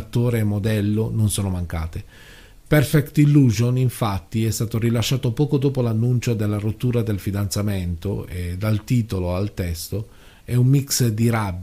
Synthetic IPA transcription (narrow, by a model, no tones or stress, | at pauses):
t̪ːoːɾeːmːod̪ɛlːononsoːnomaŋkaːt̪e | pɛrfɛkt̪ilːuzoniɱfat̪ːiɛst̪aːt̪orilaʃːaːt̪opɔːkod̪oːpolanːunt͡ʃod̪elːarot̪ːuːɾad̪elfid̪ant̪sament̪o̰ed̪ːalt̪iːt̪oloalt̪ɛst̪o | ɛumːiksd̪iɾabː